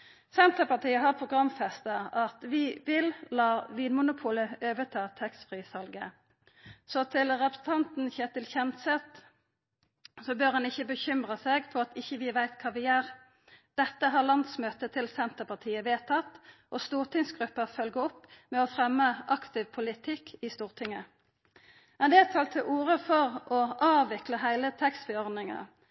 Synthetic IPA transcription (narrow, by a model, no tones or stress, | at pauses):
sɛnt̪əpɑt̪iːəɦɑʁpʰʁʊɡʁɑmfɛst̪əɑt̪ʋɪʋɪllɑːʋiːnmʊnʊpʰuːləøːʋət̪ʰɑːt̪ʰɛkst̪fʁisɑlɡə̰ | sɔt̪ʰɪlʁɛpɾəsn̩t̪ʰɑnt̪n̩çɛt̪ɪlçɛmt̪sɛt̪ | sɔbøːʁhɑnɪçːəbəçʏmʁəseːɡfɔʁɑt̪ɪçːəʋɪʋæɪt̪kʰɑːʋɪæːʁ | d̪̥ɛt̪ːəɦɑːʁlɑnd̪smøːt̪ət̪ʰɪlsɛnt̪əpɑt̪ʰiːəʋeːt̪ʰɑt̪ːʔɔst̪uːʁt̪ʰɪŋsɡʁʉpːəʁfœlɡəɔpːmɛɔfʁɛmːəʔɑkt̪ʰɪʋpʰʊlɪt̪ʰɪkːɪst̪uːʁt̪ʰɪŋːə | mɛnd̪ɛt̪ʰɑlt̪ʰːəʔuːʁəfɔʁʔɔʔɑːʋɪkləɦæɪlət̪ʰɛkst̪fɪɔʁd̪nɪŋɑ̰